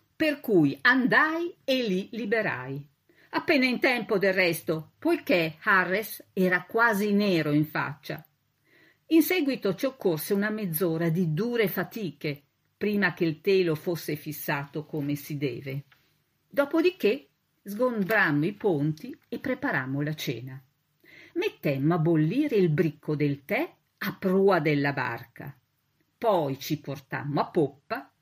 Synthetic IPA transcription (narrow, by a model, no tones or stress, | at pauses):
perkujand̪ajelilibeɾa̰j | apːeːnaint̪ɛmpod̪elːɛst̪opojkeharːesɛːɾakwaːzineːɾoiɱfa̰t͡ʃːa̰ | insɛɡwit̪ot͡ʃiokːorseunamed̪zːoːɾad̪id̪uːɾefat̪iːke | pɾiːmakeilt̪eːlofosːefisːaːt̪okomesid̪ɛ̰ːve | d̪ɔːpod̪ik̟e | zɡombɾamːoipont̪iepːɾepaɾamːolat͡ʃɛ̰ːna | met̪ːɛmːoabolːiːɾeilbɾikʰːod̪elt̪ɛ | apɾuːad̪elːaba̰rka̰ | pɔjt͡ʃiport̪a̰mːoapːopːa